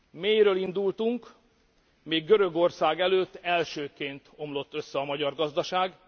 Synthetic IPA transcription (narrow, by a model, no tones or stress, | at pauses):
meːjɾøːlind̪ult̪uŋk | meːɡːøɾø̞ɡo̞rsaːɡɛløːt̪ːɛlʃøːkeːnt̪o̞mlo̞t̪ːø̞sːɛɒmɒɟɒrɡɒzd̪ɒʃaːɡ